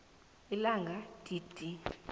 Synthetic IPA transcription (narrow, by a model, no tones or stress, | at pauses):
ilaŋɡʱad̥ʼid̥ʼʱi